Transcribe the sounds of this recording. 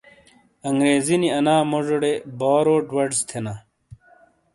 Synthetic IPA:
ɐŋɡɾeːziniɐnaːmoʐoɽebɔːɾoːʈwɐɖst̪ʰenaː

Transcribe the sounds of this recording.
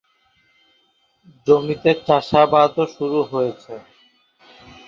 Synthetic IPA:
d͡ʑomit̪et͡ɕaʃabat̪oʃuɾuɦojet͡ɕʰe

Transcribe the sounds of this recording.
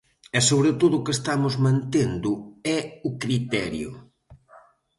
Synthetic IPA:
ɛsoβɾet̪oðʊkest̪amʊzmãnt̪end̪ʊɛʊkɾit̪ɛɾjʊ̰

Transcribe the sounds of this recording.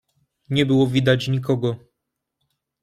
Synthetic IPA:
ɲɛbɘwɔvʲid̪at͡ɕɲik̬ɔɡɔ

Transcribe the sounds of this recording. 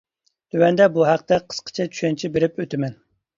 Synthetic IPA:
t̪ʰøwɛnd̪ɛbuɦæq̚t̪ɛqʰə̥sqʰə̥t͡ʃʰɛt͡ʃʰy̥ʃɛnt͡ʃʰibeɾɪpøt̪ʰɪmɛn

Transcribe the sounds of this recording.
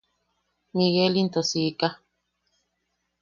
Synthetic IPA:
miɣelint̪osika

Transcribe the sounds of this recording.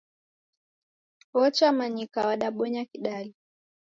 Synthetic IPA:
ɔt͡ʃamaɲikawaɗaɓɔɲakiɗali

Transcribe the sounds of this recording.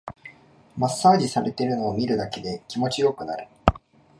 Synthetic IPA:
masːaːd͡ʑisaɾe̞t̪e̞ɾɯ̟no̞ːmʲiɾɯ̟d̪ake̞d̪e̞kʲimo̞t͡ɕijo̞kɯ̟naɾɯ̟

